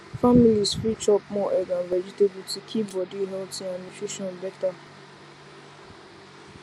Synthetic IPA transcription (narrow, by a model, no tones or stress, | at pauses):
familisfɾit͡ʃɔpmɔ̃ʔɛɡãvɛd͡ʒitebitikʰibɔdiɦɛltĩamit͡ʃeʃɔ̃nbɛta